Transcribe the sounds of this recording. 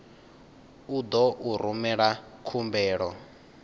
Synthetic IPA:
ud̪ɔʔuɾumɛɺakʰumbɛːɺɔ

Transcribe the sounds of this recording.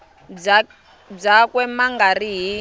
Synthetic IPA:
b͡ʐakwɛmaŋɡariɦi

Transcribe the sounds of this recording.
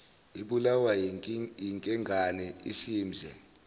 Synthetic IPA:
iɓulawa | iŋkʼɛŋɡʱanɛḭsimzʱɛ

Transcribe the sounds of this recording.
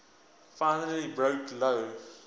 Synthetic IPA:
faɪnələlibɹoʊkʰloʊ

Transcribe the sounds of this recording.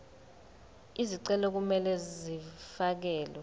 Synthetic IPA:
iziǀɛlɔk̬umɛlɛzifak̬ɛːlɛ

